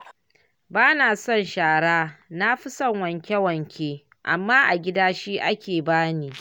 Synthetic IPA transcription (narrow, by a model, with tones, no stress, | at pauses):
baː˦naː˨sɔ˦˨nʃaː˨ɽaː˦na˦ɸɪ˦sɐ˦ŋwɐ˨ŋkʲɛ˦wɐ˨ŋkʲʰeː˦ | ʔa˨mːaː˦ʔa˨ɡʲɪ˦daː˦ʃiː˦ʔa˦kʲeː˨baː˦niː˦